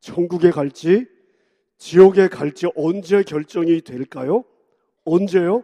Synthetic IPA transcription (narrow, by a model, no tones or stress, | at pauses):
t͡ɕʰʌŋɡuɡe̞kaɭt͡ɕ͈i | t͡ɕijʌɡe̞kaɭt͡ɕ͈iʔʌnd͡ʑe̞kjʌɭt͡ɕ͈ʌŋitwe̞ɭk͈ajo | ʌnd͡ʑe̞jo